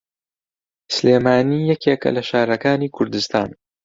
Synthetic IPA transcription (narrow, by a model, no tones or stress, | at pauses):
sleːmaːniːjɛkʰeːkɐ̰lɐʃaːɾɐkaːniːkʰʊɾd̪ɨst̪ʰa̰ːn